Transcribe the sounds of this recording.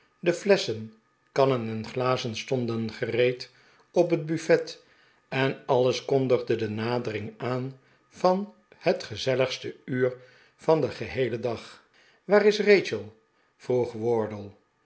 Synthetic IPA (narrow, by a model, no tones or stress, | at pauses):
dəflɛsən | kɑnənɛnχlaːzənstɔndənχərejt | ɔpɦəd̚byfɛt | ɛnɑləskɔndəχdədənaːdərɪŋaːn | v̥ɑn | hətχəzɛləχstəyːɹ | v̥ɑndəχəɦejlədɑχ | ʋaːɾɪsrejt͡ʃəlˠ | v̥ruχʋɔɹdəlˠ